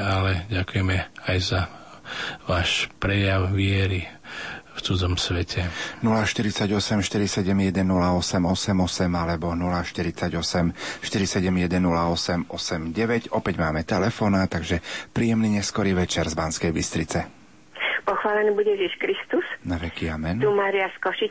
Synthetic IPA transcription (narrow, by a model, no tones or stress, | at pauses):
alɛɟakujɛmɛajza | ʋaːʃpɾɛjaʊʋɪɛɾi | ft͡sud͡zɔmsʋɛcʰɛnulaʃt̪iɾit͡saɟɔsɛmʃt̪iɾisɛɟɛmjɛd̪ɛnːulaɔsɛmɔsɛmɔsɛmalɛbɔnulaʃt̪iɾit͡saɟɔsɛmʃt̪iɾisɛɟɛmjɛd̪ɛnːulaɔsɛmɔsɛmɟɛʋɛɟɔpɛɟmaːmɛt̪ɛlɛfɔːnat̪ːaɡʒɛpɾiːjɛmniːɲɛskɔɾiʋɛt͡ʃɛɾzbaːnskɛjbist̪ɾit͡sɛ | pɔxʋaːlɛnibuɟɛʒiʃkɾist̪usnaʋɛkiamɛnt̪umaːɾiaskɔʃi